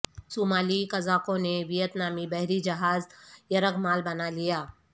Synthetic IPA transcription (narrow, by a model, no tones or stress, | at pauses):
sumaːlikɐzaːkõneʋijət̪naːmibɐɦɾid͡ʒɐɦaːzjɐɾəkmaːlbɐnalijaː